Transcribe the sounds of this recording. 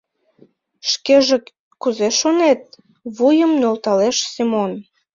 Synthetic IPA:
ʃkeʒe | kuzeʃonet̪̚ | βujəmnolt̪ɑleʃsimon

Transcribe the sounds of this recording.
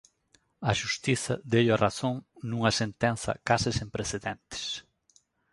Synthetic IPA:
ɐʃust̪iθɐd̪ejwɐraθõŋnũŋɐsẽnt̪ɛ̃nθɐ̰kasɪsẽmpɾeθeðẽnt̪ɪ̥s

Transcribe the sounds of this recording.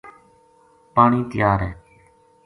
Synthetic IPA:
paːɳiːt̪ɪjaːɾɦɛː

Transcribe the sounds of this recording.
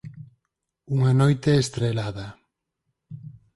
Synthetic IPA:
uŋɐnojt̪eːst̪ɾelaðɐ

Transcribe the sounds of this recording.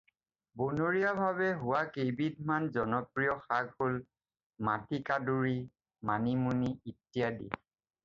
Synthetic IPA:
bonoɹijabʱaβɛɦʊwakejbid̚ʱmanzɔnɔpɹijɔxaɡhol | matikaduɹi | manimuniitːijadḭ

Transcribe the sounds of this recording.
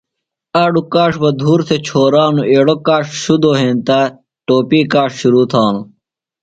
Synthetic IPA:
aːɖukaːʂbɐd̪ʱuːɾsʰet͡ɕʰoːɾaːnuʔeːɽokaːʂɕud̪oːɦẽːnt̪aː | ʈoːpiːkaːʂɕuɾuːt̪ʰaːnu

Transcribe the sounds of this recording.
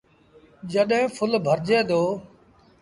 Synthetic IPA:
d͡ʒəɗɦɪ̃ːpʰʊlbʱəɾd͡ʒeːd̪oː

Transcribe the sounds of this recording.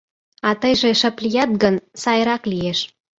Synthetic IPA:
ɑt̪əjʒeʃə̆plijɑt̪̚ɡənsɑjɾɑklieʃ

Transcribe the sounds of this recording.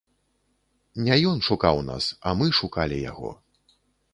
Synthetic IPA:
nʲɛjɔnʂukawna̰sɐmɨʂukalʲija̰ɣɔ̰

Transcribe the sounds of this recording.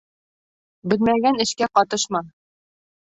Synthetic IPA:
bɘ̆lmæɡænɘ̆ʃkæqɒt̪ɤʃmɑ

